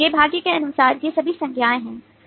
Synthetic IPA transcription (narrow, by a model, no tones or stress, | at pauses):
jeːbʱaːɡjekeɐnʊsaːɾjesɐbʱisɐ̃ŋɡʰʱjaːẽɦɛ̃ː